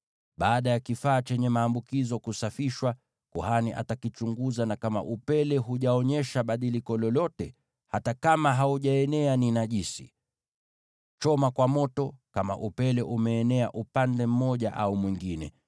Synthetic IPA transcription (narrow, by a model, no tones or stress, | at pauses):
ɓaːɗajakifaːt͡ʃɛɲɛmaːmbukizɔkusafiʃwa | kuhaniʔa̰takit͡ʃuŋɡuzanakama̰ʔupɛlɛɦuʄaɔɲɛʃaɓaɗilikɔlɔlɔtɛ | hatakamaɦauʄaɛnɛaninaʄisi | t͡ʃɔmakwamɔtɔkama̰ʔupɛlɛʔumɛːnɛaʔupandɛm̩mɔʄaʔaumwiŋɡinɛ̰